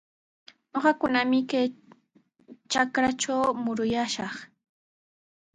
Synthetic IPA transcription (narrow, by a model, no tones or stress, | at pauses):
noɢɑkʊnamɪkaj | t͡ʃakɾat͡ʃawmʊɾʊjaʃɑχ